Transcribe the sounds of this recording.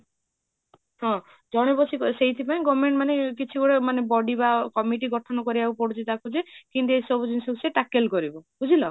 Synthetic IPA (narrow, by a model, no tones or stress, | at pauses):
ɦɔ̃ | d͡ʒɔɽ̃ebɔsikseɦit̪ʰipaĩɡɔmeɳʈmanekit͡ʃʰikɔɽemanebɔɖibakɔmiʈiɡɔʈʰɔnɔkɔɾibaupɔɽut͡ʃʰit̪akud͡ʒekint̪uesɔbɔd͡ʒunisɔuseʈakelkɔɾibɔbud͡ʒʱilɔ